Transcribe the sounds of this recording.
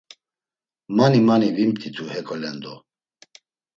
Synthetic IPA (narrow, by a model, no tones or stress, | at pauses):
manimanivimt̪ʰʼit̪ʰuhɛkʰʼɔlɛnd̪ɔ